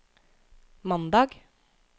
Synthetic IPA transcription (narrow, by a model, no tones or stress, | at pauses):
mɑnd̪ɑːɡ